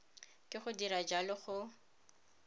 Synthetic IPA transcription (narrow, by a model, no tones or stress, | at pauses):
kʼɪχʊdirad͡ʒalɪχʊ